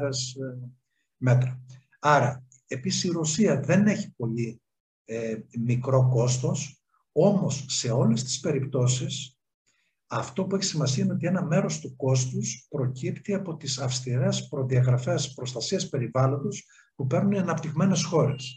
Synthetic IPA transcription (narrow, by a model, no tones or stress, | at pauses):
es | me̞t̪ɾɐ | ɐɾɐ | e̞pisi̥siɾo̞siɐðe̞ne̞çi̥po̞li | mikɾo̞ko̞st̪o̞s | o̞mo̞sːe̞o̞lest̪i̥spe̞ɾipt̪o̞sis | ɐft̪o̞pueçi̥simɐsiɐino̞t̪ienɐme̞ɾo̞st̪uko̞st̪uspɾo̞cipt̪iɐpo̞t̪isɐfst̪iɾe̞spɾo̞ðiɐɣɾɐfe̞spɾo̞st̪ɐsiɐspe̞ɾivɐlo̞nd̪os | pupe̞ɾnuniɐnɐpt̪iɣme̞ne̞sxo̞ɾe̞s